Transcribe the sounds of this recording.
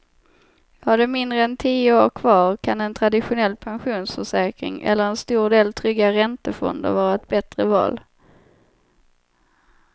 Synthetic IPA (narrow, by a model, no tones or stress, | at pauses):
haɖɛmɪnd̪ɾəɛnt̪ʰiːəoːɾkʰvɑːɾkʰanɛnt̪ʰɾad̪ɪɧʊnɛlːpʰanɧuːnsfœʂɛːkɾɪ̰ŋʔɛ̰lːəɾɛnst̪uːɖeːlt̪ʰɾʏɡːaɾɛnt̪əfɔ̰nd̪ə̰ɾvɑːɾaɛt̪̚bɛt̪ɾəvɑ̰ːl